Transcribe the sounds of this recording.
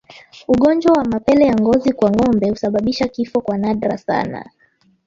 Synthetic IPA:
uɠɔnd͡ʒwawamapɛlɛjaŋɡɔzikwaŋɔmbɛhusaɓaɓiʃakifɔkwanaɗɾasa̰na̰

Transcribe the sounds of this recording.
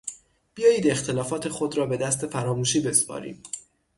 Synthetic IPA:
b̥ijɒːjiːd̪e̞xt̪ʰe̞lɒːfɒːt̪ʰe̞xod̪ɾɒːbe̞d̪æst̪ʰe̞fæɾɒːmuːʃiːbe̞spʰɒ̰ːɾḭːm

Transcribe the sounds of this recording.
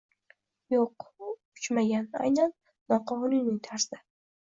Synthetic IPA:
joqʊt͡ʃmaɡʲana̰jnanː | ɒqʰɒʊnunɪŋt̪ʰaɾsɪ

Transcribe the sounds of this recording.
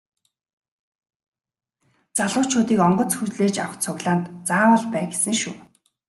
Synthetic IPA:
t͡saɮʊːt͡ɕʰʊːt̪iːkɔɴɢɞ̆t͡sxut͡ɕɮeːt͡ɕawə̆χt͡sʰʊɣɮaːnt̪t͡saːwə̆ɮpæːɡesɘ̆ŋʃṵː

